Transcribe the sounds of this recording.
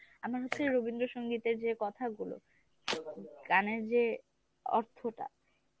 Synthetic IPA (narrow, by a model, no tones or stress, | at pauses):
amaɾɦotːɕʰeɾobind̪ɾoʃoŋɡit̪eɾd͡ʑekɔt̪ʰaɡulo̰ | ɡaneɾd͡ʑe | ɔ̰ɾt̪ʰoʈa̰